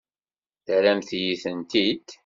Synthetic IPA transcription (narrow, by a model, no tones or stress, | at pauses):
θɾæmθjiθənt̪id̪